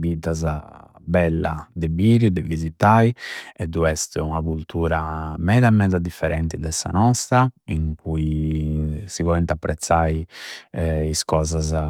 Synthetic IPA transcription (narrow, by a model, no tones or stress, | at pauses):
vid̪az | bɛlːa̰d̪ɛbiɾud̪ɛvizit̪aiɛd̪uɛst̪unakult̪uːɾamɛːðaɛmːɛːd̪ad̪ifːɛɾɛnt̪id̪ɛsːa̰nɔst̪ɾaiŋkʰui | sivɔlɛnt̪apːɾɛt̪sːaji | iskɔːzaz